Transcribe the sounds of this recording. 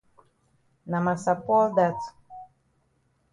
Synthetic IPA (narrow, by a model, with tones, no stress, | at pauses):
na˨ma˨sa˨pɔ˦ld̪a˦tu̥